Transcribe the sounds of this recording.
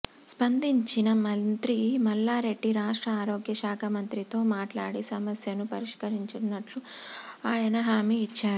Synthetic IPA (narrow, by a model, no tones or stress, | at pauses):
spɐnd̪iɲt͡ʃinɐmɐnt̪ɾimɐlːaːɾe̞ɖːiɾaːʂʈɾɐaːɾoːɡjɐʃaːkʰɐmɐnt̪ɾit̪o̞ːmaːʈlaːɽisɐmɐsjɐnupɐɾiʂkɐɾiɲt͡ʃunːɐʈluaːjɐnɐɦaːmiːt͡ʃːaːɾu